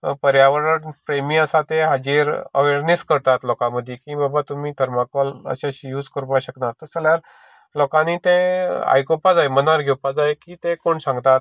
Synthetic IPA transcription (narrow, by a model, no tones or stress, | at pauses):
pəɾjaʋəɾənpɾemĩəsat̪eɦad͡ʑiɾə̰ʋeɾneskəɾt̪at̪lɔkãməd̪ʱːjekĩːbabat̪umiːd̪ʱəɾmakɔlə̰ɕaɕijuːd͡zkəɾupaɕəknat̪ːəsəljaɾ | lɔkãniːt̪ea̰jkopad͡zajmənaɾɡʱewpad͡zajkiːt̪ekoɳsãŋɡt̪at̪